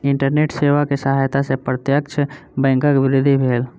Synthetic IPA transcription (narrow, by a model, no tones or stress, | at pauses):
iɳʈəɾneʈseʋakesəɦajt̪asepɾət̪jəkt͡ʃʰ | bɛ̃ːŋkəkʋɪɾɪd̪ʱːibʱeːl